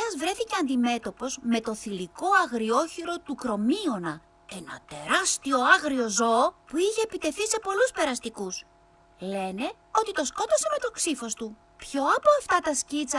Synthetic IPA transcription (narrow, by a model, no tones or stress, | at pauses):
ɐzvɾe̞θiceɐnd̪ime̞t̪o̞po̞zme̞t̪o̞θiliko̞ɐɣɾio̞çiɾo̞t̪ukɾo̞mio̞nɐ | e̞nɐ̰t̪e̞ɾɐst̪io̞ɐɣɾio̞zo̞ːpuiçe̞ːpit̪e̞θise̞po̞luspe̞ɾɐst̪ikus | le̞ne̞ | o̞t̪it̪o̞sko̞t̪ose̞me̞t̪o̞ksifo̞st̪u | pço̞ɐpoɐft̪ɐt̪ɐscit͡sɐ